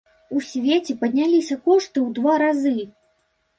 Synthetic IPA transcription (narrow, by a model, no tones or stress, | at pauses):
usʲvʲet͡sʲɛpɐd̪ʲnʲalʲisʲɐkɔʂt̪ɨwd̪vaɾazɨ